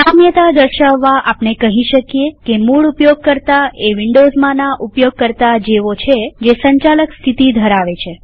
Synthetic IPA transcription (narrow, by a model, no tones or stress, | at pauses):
amjət̪ad̪əɾʃaʋːaʔapnekəɦiʃəkjekemuɭupjoɡ̚kəɾt̪aeʋɪɳɖozmãnaʔupjoɡ̚kəɾt̪ad͡ʒeʋot͡ʃʰed͡ʒesəɲt͡ʃaləkst̪ʰit̪id̪ʱəɾaʋet͡ʃʰe